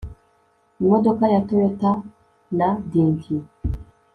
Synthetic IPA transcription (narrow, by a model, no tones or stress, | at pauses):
modɔkajatowɛta | nadiŋɡi